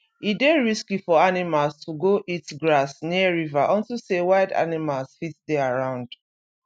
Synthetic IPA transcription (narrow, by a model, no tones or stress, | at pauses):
ideɹiskifɔanimalstʰuɡoʔitɡɹasniəɹivaʔɔ̃ntusewaɪda̰nimalsfitdɛaɹãʊ̃nd̥